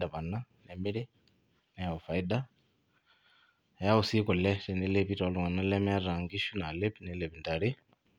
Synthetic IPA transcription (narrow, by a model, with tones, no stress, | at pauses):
da˨βa˨na˦nɛ˨mi˦ɾi˦ | nɛ˨ja˨o˨fa˨ida˨ | ja˦wu˨si˦kɔ˨lɛ˦tɛ˨ne˦le˦pi˦taa˨lu˨ŋa˨na˦lɛ˦mɛ˦a˦ɾa˨ŋɡi˦ʃu˦na˨le˦pinɛ˨le˨βi˨nda˨ɾi˦